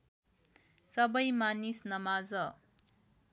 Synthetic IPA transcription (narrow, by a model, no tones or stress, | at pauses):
sʌbʌjmanisnʌmad͡zʌ